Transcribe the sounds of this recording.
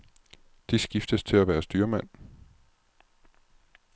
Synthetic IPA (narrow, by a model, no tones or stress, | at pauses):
d̥isɡ̥ifd̥əst͡sʰe̝læʋæːɐsd̥yːɐmæn̰